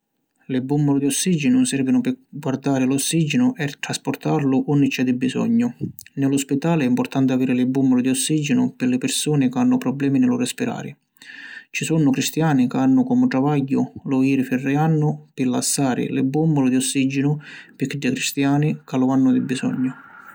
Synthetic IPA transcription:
lɪbːumbɔlʊd̪iɔsːid͡ʒɪnʊnsɛrvɪnʊpɪɡward̪aːɾɪlɔsːid͡ʒɪnʊʔɛt̪ɾaspɔrt̪aɾlʊʔɔnːɪt͡ʃːɛd̪ɪbːisɔ̰ɲːʊnɪlɔspit̪aːlɪɛimpɔrt̪ant̪ɪaviːɾɪlɪbːumbɔlʊd̪iɔsːid͡ʒɪnʊpɪɾlɪpɪrsuːnɪkanːʊpɾɔblɛːminɪlʊrɛspiɾa̰ːɾɪ̰ | t͡ʃisunːʊkɾist̪jaːnikanːʊkɔːmʊt̪ɾavajːʊlʊjiːɾɪfɪrːɪanːʊpɪlːasːaːɾɪ̰lɪbːumbɔlʊd̪iɔsːid͡ʒɪnʊpɪkːɪdːɪkɾist̪jaːnɪkalʊanːʊd̪ɪbːisɔ̰ɲːʊ

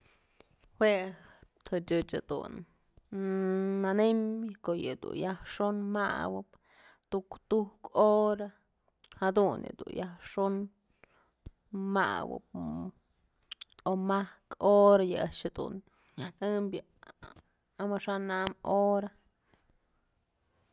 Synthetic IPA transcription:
hwet̪hɨt͡ʃʲɨt͡ʃad̪̥ṵn | anembʲjkoʔjɨd̪ṵnjahʂonma̰wɨp | t̪ukt̪uhkoɾa | had̪unjɨ̰d̪ṵnjahʂon | ma̰wɨ̰p̚ | omahkoɾajɨaʃhad̪ṵn | janɨmbʲa | amaʂanamoɾa

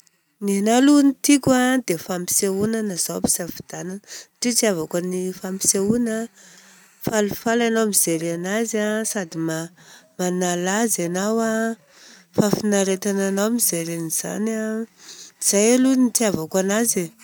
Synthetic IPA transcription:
ninalunit̪ikʲad̪efampi̥seunanaz̥api̥z̥afid̪̥ananəʈ͡ʂit͡siavakanifampi̥seuna | falufalanawmiz̥eɾanazasad̪imamanalazanawa | fafinaɾet̪ananawmizeɾeniz̥a̰na | miz̥ajalunit̪iavakanaze

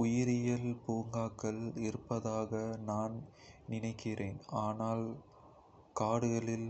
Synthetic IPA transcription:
ʊjɪɾɪjɐlpuːŋɡaːkːɐɭɪɾɯpːɐðaːɣɐnaːn | nɪnɐɪkːɪreːnaːnaːl | kaːɽɯɣɐɭɪl

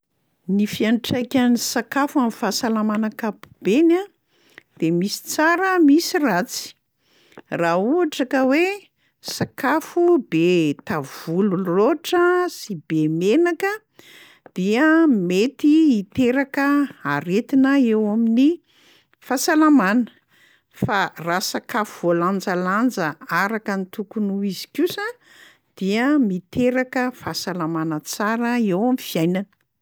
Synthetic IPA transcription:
nifianʈ͡ʂajkʲənisakafuamifasalamanakapu̥b̥ena | d̪̥emisi̥t͡saɾəmisirat͡si̥ | rauaʈ͡ʂakəwe | sakafubet̪av̥uluroʈ͡ʂəsibemenakə | d̪̥iəmet̪iːt̪eɾakəaɾet̪inəewamini | fasalamanə̥ | farasakḁvoland͡zaland͡zəaɾakənit̪ukunuizikʲusa | d̪̥iəmit̪eɾakəfasalamanət͡saɾəewamifijajnanə̥

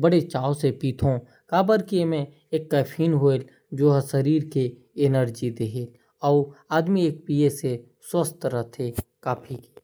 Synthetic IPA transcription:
bəɽet͡ʃaːosepiːt̪ʰõ | kaːbəɾkiemẽ | eːkːaːpʰiːnɦoel | d͡ʒoːɦəsəɾiːɾke | ɪnəɾd͡ʒid̪eɦeːl | ɔːaːd̪mieːk̚piːese | swəst̪ɾət̪ʰekaːpʰiki̥

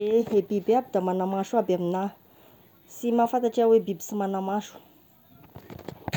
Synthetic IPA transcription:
eebibiabid̪amanamaʂuabamina | simafant̪aʈ͡ʂeawebibi̥simanamaʃu̥

